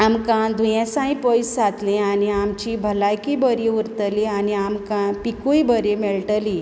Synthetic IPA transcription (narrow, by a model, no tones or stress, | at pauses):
amkãd̪ʱujãsãĩpɔjsd͡zat̪lẽaniamt͡ɕibʱəlajkibəɾiuɾt̪əlianiamkãpikujbəɾemeɭʈəli